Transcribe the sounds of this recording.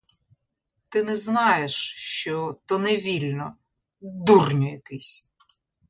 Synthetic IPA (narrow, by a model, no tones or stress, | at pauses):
t̪ɪnɛznɑjeʃʃt͡ʃɔt̪ɔnɛʋʲilʲnɔ | d̪urnʲɔjɐkɪsʲ